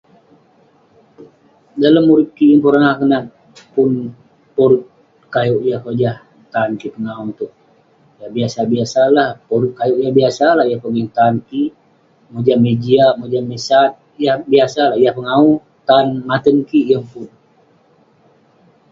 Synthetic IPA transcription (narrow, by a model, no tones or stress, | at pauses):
daləmːuɾɪkiʔjəŋpuɾanahkənat̪̚ | pʊn | poɾʊt̪̚ | kajuʔjahkd͡ʒah | t̪aːnkipəŋaunt̪ʊk̚ | jabiasabiasalahpoɾʊt̪̚kajuʔjaŋbiasalahjahpəɡiŋt̪aːnki | mod͡ʒamed͡ʒiaʔmod͡ʒamisat̪̚jahbiasalahjahpəŋau | t̪aːnmat̪ənkiʔjaŋpʊn